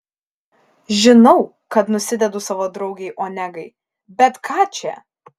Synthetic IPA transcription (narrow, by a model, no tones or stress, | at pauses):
ʒʲɪnɐʊ | kɐt̪nʊsʲɪd̪ʲɛd̪ʊsɑːʋoːd̪ɾɐʊɡʲɛɪʔoːnʲɛɡɐɪ | bʲɛt̪kʰɑːt͡ʃʲɛ̰